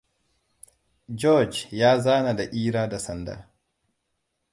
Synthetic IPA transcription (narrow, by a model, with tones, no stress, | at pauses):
d͡ʒɔ˦d͡ʒjaː˦zaː˦na˨da˨ʔiː˦ɾaː˦da˨sɐ˨nda̰˨